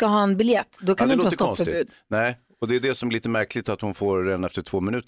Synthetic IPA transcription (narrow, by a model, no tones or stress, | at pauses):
skaɦɑːɛnbɪljɛt̪ːd̪ɔkʰanɪɪnhɑst̪ɔfœɾbʉ̟ːd̪nɛɪ | ɔd̪ɛːɖɛsɔmɛliːt̪əmæɾkʰlɪt̪at̪hʊnfoːɾːeːd̪anɛft̪əʈʰv̥oːmɪnʉ̟ːt̪ə